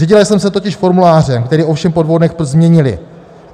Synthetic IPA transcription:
ɛɟɪlajsɛmsɛt̪o̞cɪʃfo̞ɾmulaːr̝ɛmkt̪ɛɾiːo̞fʃɛmpo̞dvo̞wdnɛxpzmɲɛɲɪlɪ̰

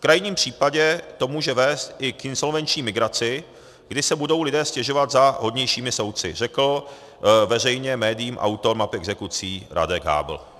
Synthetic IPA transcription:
fkɾajɲiːmpr̝̥iːpaɟɛt̪o̞muːʒɛvɛːst̪ʔɪkɪnso̞lvɛnt͡ʃɲiːmɪɡɾat͡sɪ | ɡdɪsɛbudo̞wlɪdɛːscɛʒo̞vat̪zaɦo̞dɲɛjʃiːmɪso̞wt̪̚t͡sɪ̰rɛkl̩ | vɛr̝ɛjɲɛmɛːdɪjiːmʔa̰wt̪o̞ɾmapɪɛɡzɛkut͡siːɾʔa̰dɛɡɦa̰ːbl̩

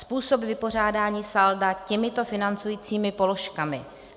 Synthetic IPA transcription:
spuːsobvɪpo̞r̝aːdaːɲiːsaldacɛmɪt̪o̞fɪnant͡sujiːt͡siːmɪpo̞lo̞ʃkamɪ

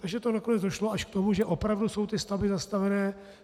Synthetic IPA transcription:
t̪aɡʒɛt̪onakonɛd͡zdoʃloaʃkt̪omuʒɛʔo̞pɾavduso̞wt̪ɪst̪avɪzast̪avɛnɛː

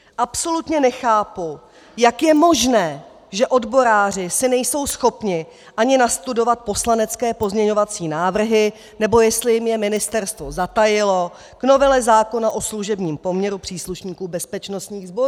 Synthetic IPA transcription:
ʔapso̞lut̪ɲɛnɛxaːpu | jakjɛmo̞ʒnɛː | ʒɛʔo̞dbo̞ɾaːr̝ɪsɪnɛjso̞wsxo̞pɲɪ | ʔaɲɪnast̪udo̞vat̪̚po̞slanɛt͡skɛːpo̞zmɲɛɲo̞vat͡siːnaːvr̩ɦɪ | nɛbo̞jɛst̪lɪjɪmjɛmɪnɪst̪ɛɾst̪vo̞zat̪ajɪlo̞ | kno̞vɛlɛzaːko̞naʔo̞sluʒɛbɲiːmpo̞mɲɛɾupr̝̥iːsluʃɲiːkuːbɛspɛt͡ʃno̞st̪ɲiːɣzbo̞ɾuː

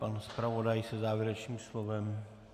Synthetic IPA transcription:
panspɾavodajsɛzaːvjɛɾɛt͡ʃɲiːmslovɛm

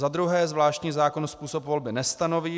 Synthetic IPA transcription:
ad̪ɾuɦɛːzvlaːʃcɲiːzaːko̞nospuːso̞pvo̞lbɪnɛst̪ano̞viː

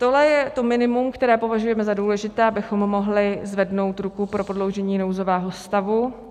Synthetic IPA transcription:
t̪o̞ɦlɛjɛt̪o̞mɪnɪmumkt̪ɛɾɛːpo̞vaʒujɛmɛzaduːlɛʒɪt̪ɛːabɪxo̞mːo̞ɦlɪzvɛdno̞wt̪ɾukupɾo̞pɾodlo̞wʒɛɲiːnowzo̞vɛːɦo̞st̪avu

